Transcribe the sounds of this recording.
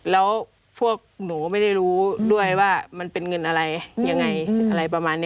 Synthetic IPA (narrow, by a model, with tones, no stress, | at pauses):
lɛː˦˥w | pʰu˥˩ək̚noː˩˦ma˥˩jda˥˩jɾuː˦˥du˥˩əjwaː˥˩ma˧npe˧nŋɤ˧nʔa˧ɾa˧jɲa˧ŋːa˧jʔa˧ɾa˧jpa˧maː˧nː˧